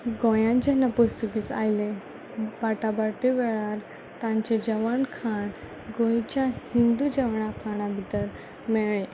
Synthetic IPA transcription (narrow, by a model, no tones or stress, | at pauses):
ɡõjãd͡ʑənapust̪ukiːt͡sa̰jlẽ | baʈabaʈiʋɛɭaɾ | t̪ãɲt͡ɕed͡ʑəʋəɳkʰaɳ | ɡõjt͡ɕjahind̪ud͡ʑəʋɳakʰaɳ̃abʱit̪əɾ | mɛɭe